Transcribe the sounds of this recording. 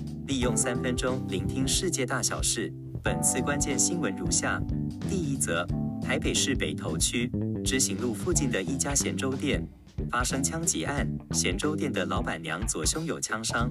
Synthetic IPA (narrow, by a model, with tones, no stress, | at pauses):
li˥˧jʊ˥˩ŋsa˥nfə˥nʈ͡ʂʊ˥ŋli˧˥ŋt̪ʰi˥ŋʂɻ̩˥˧t͡ɕjɛ˥˧t̪a˥˩ɕjɑ˨˩ʊʂɻ̩˥˩ | pə˨˩nt͡sʰɹ̩˥˩kwa˥nt͡ɕjɛ˥˩nɕi˥nwə˧˥nɻu˧˥ɕja˥˩t̪i˥˧i˥t͡sɤ˧˥t̪ʰa˧˥ɪpe˨˩ɪʂɻ̩˥˩pe˨˩ɪt̪ʰo˧˥ʊt͡ɕʰy˥ʈ͡ʂɻ̩˧˥ɕi˧˥ŋlu˥˧fu˥˧t͡ɕi˥˩nd̪ə˩ʔi˥˩t͡ɕja˥ɕjɛ˧˥nʈ͡ʂo˥ʊt̪jɛ˥˩n | fa˥ʂɤ˥ŋt͡ɕʰjɑ˥ŋt͡ɕɛ˧˥ʔa˥˩nɕjɛ˧˥nʈ͡ʂo˥ʊt̪jɛ˥˩nd̪ə˩lɑ˧˥ʊpa˨˩nljɑ˧˥ŋt͡swɔ˨˩ɕjʊ˥ŋjo˨˩ʊt͡ɕʰjɑ˥ŋʂɑ˥ŋ